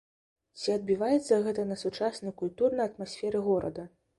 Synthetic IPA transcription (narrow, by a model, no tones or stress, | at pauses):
t͡sʲiɐd̪̚bʲivajɛt̪sːɐɣɛt̪ɐnɐsut͡ʂasnɐjkulʲt̪urnɐjɐt̪masʲfʲɛɾɨɣɔɾɐ̰d̪ɐ